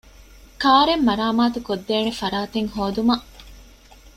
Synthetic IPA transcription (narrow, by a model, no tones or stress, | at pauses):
kaːɾemːɐɾaːmaːt̪ukod̪ːeːnefɐɾaːt̪eŋhoːd̪umɐʔ